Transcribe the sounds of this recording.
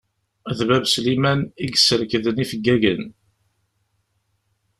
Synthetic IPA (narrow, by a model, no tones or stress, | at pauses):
ðvævslimæniɡsəɾkðənifəɡːæʝən